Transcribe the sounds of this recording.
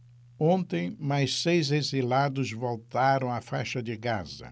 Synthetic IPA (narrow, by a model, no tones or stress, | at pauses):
õnt̪ẽj̃majssejzezilad̪ʊzvolt̪aɾɐ̃w̃ɐfajʃɐd̪ɪɡazɐ̰